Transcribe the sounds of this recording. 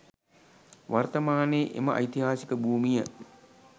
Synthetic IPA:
ʋart̪ɐmaːneːʔḛməʔɐ̰jt̪iɦaːsikəbuːmijə

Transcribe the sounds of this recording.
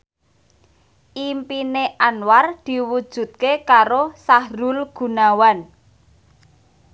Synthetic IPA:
ʔimpineʔanward̪̥i̤wud̥ʒ̥ṳt̪̚kekaɾosahɾulɡ̥ṳnawan

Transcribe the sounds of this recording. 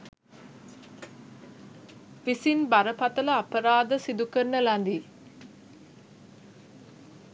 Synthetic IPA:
ʋisinbaɾəpat̪ələapəɾaːd̪əsid̪ukərːəlænd̪i

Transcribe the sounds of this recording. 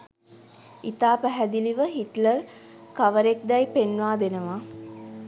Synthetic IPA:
it̪aːpæɦæd̪iliʋəɦiʈlər | kaʋəɾek̚d̪ɛjpenʋaːd̪enəʋa

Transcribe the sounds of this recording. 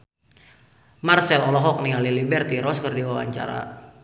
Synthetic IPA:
marsɛlɔlɔɦɔk̚nialilibɛrt̪iɾɔskərdiwawa̰ɲt͡ʃa̰ɾa̰

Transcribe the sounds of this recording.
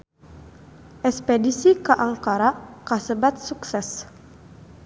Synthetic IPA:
ʔɛspɛdisikaʔaŋkaɾakasəbat̪̚suksɛs

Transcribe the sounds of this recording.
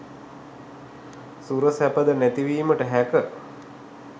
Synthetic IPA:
suɾəsæpəd̪ənæt̪iʋiːməʈəɦækə

